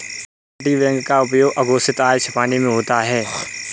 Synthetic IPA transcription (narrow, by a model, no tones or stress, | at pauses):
ʈiʋɛ̃ːŋɡkaʊpjoːɡʔɐɡoːsɪt̪aːʃʰpaːnimẽɦoːt̪aɦɛː